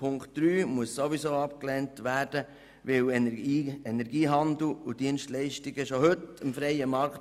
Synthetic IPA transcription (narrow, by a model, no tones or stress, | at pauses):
pʰʊŋktd̥ɾyːmuəsːoʋizoːɑpklɛntʋæːɾd̥ə | ʋɪwiɛnɛɾɡiːɦɑnd̪l̩ʊd̥iənʃtlɛɪʃtiɡəʃohɵtəmfɾɛɪəmɑɾkt